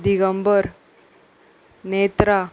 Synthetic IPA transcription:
d̪iɣɐmbɐɾ | neːt̪ɾaː

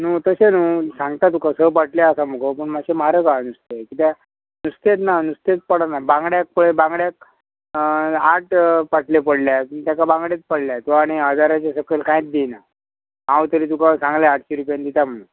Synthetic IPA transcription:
nuːt̪əsenuːsãŋɡt̪at̪ukasəpaʈlaəsam̤əkəpəɳmaɡɕemaɾəkanust̪ekit̪a | nust̪et̪̬nanust̪et̪̚pəɽanabãŋɡɽjak̚puɭebãŋɡɽjak̚ | aʈpaʈʰlepəɽljapəɳt̪jakabãŋɡɽet̪̚pəɽljat̪uaɽ̃iad̪ʱaɾat͡ɕasəkelkãjet̪̚d̪ina | ɦãwt̪əɾiːt̪ukasãŋɡlaaʈʰɕeɾupjand̪it̪am̤əɽ̃ũn

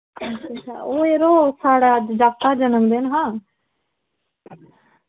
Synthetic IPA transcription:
ʈʰiːsa̰oːeːɾosaːɽaəd͡ʒd͡ʒaːt̪ad͡ʒənəkd̪eːnɦãː

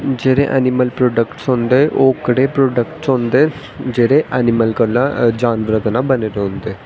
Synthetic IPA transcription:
d͡ʒeːɾẽʔɛ̰ːnɪməlpɾoːɖəkʈsɦʊ̃nd̪eːʔoːkəɽeːpɾoːɖəkʈsɦõnd̪eː | d͡ʒeːɾẽʔɛːnɪməlkəlːãd͡ʒaːnʋɾət̪nãbəneːɾeɦʊ̃nd̪eː

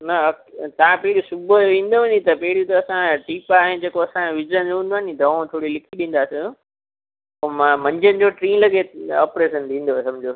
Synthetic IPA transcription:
nɐɐt̪ɐʋãpɐɦɪɾijusʊbəʋĩːn̆d̪oʋɐ̃ɲit̪ɐpɐɦɪɽiut̪ɐɐsãʈiːpaːɦed͡ʑeːkoɐsãʋɪd͡ʑənd͡ʑoɦũːnd̪oaːnid̪ʱɐʋõt̪ʰoːɽilɪkʰiɗĩːn̆d̪aːsĩ | omãmɐ̃ɲd͡ʑənɪ̆d͡ʑoʈɾĩːnlɐɡeɔ̰ːpɾeːsənd̪ʰĩːn̆d̪osɐmd͡ʑo

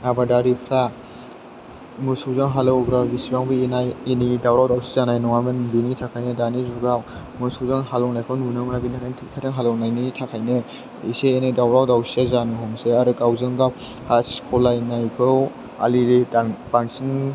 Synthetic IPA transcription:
abadaɾipʰɾa | musuwzaŋɦalɯwɡɾabisibaŋbienajenidawɾawdawsizanajnɔŋamanbinitʰakʰajnɯdanizuɡaw | musuwzaŋhalɔwnajkʰɯwnunɯmanabiniakajntʰikʰatʰɯŋɦalɯwnajnitʰakʰajnɯ | iseenajdawɾawdawsi̥azanɯhɔŋseaɾɯkawzɯŋɡaw | haskʰɔlajnajkʰɯw | a̰liɾidapansin

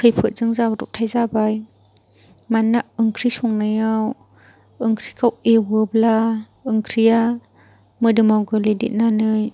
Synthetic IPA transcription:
kʰɯjpʰɯt̚zɯŋzabɾṵp̚tʰajzabaj | manːaʔɯŋkʰɾisɔŋnajaw | ɯŋkʰɾikʰawewɯbla | ɯŋkʰɾija | mɯdɯmawɡɯledḭt̚nanɯj

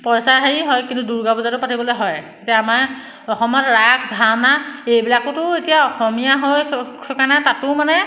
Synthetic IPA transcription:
pɔjsaɹɦeiɦɔjkintuduɹɡabuzatʊpatibɔlojɦɔj | etijaːmaɹ | ɔxɔmɔtɹakʰbʱawnaejbilakʊtʊetijaɔxɔmijaɦɔjkaɹnɛtatʊmanɛ

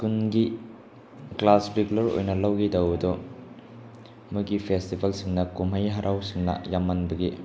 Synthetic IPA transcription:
kunɡi | klasɾikulɐɾo̰jnɐlɐwɡidɐwdɔ | muɡipʰestibɐlsiŋnɐkumɦɐjɦɐɾʔawsiŋnɐ̰jamːɐnbɐɡi

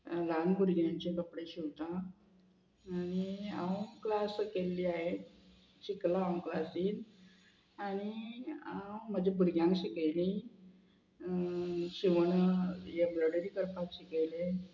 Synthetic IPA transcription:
lanbʱuɾɡjãɲt͡ɕekəpɽeɕiʋt̪a | ɽ̃iawklaskelːiːaɦe | ɕiklaãklasiːn | aɽ̃iam̤əd͡ʑebʱuɾɡjãŋkɕikəjlĩ | ɕiʋəɳjebɾəɽəɾiːkəɾpat̪ɕikəjle

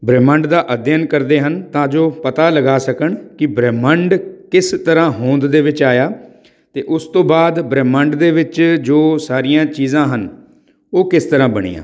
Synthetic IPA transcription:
bɾɛːmə̃ɳɖd̪aːʔəd̪jənkəɾd̪eːɦənt̪ãːd͡ʒoːpət̪aːləɡaːsəkəɳkɪbɾɛːmə̃ɳɖkɪst̪əɾãːɦõːnd̪d̪eːʋɪt͡ʃaːjaː | t̪ḛːʔʊst̪õːbaːd̪bɾɛːməɳɖd̪eːʋɪt͡ʃd͡ʒoːsaːɾijãːt͡ʃiːzãːɦən | oːkɪst̪əɾãːbəɽ̃ḭːjã̰ː

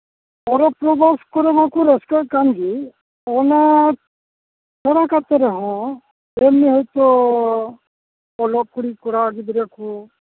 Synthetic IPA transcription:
ɔɾɔpɾɔbaskɔɾɔbakɔɾɔskaɾkaŋɡi | ɔna | t͡ʃʰɔɽakat̪eɾɔɦɔ̃ | emiɦɔjt̪ɔ | ɔlɔkuɽikɔɽaɡid̪iɾaku

